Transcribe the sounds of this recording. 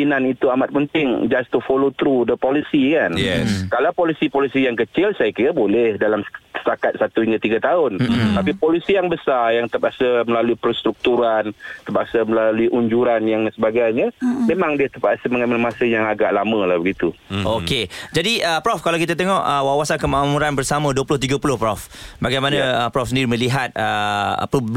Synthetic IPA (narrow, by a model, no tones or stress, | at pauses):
inanit̪uamat̪̚pənt̪ɪŋd͡ʒast̪ufolot̪ɾudəpɔlisikanjɛkalawpɔlisipɔlisijaŋkət͡ʃɪlsajakiɾabolɛhdalamsə̥t̪akat̪̚sat̪uiɲat̪iɡat̪aʊnt̪apipolisijaŋbəsarjaŋt̪əpaʔsəməlaluipərst̪ɾuk̚t̪uɾant̪əbaʔsəməlaluiʔuɲd͡ʒuɾanjaŋdansəbaɡajɲamemãŋdiat̪ərpaʔsəməŋamalmasəjaŋaɡaʔlamə̃lahbəɡit̪uʔoked͡ʒadiəpɾɔfkalawkit̪̬at̪eŋɔʔəwawasankəmaʔmũɾanbərsamə̃duəpulʊht̪iɡapulʊhpɾɔf | baɡajmanãəpɾɔfs̬əndiɾimə̃liɦat̪̚ə̰pub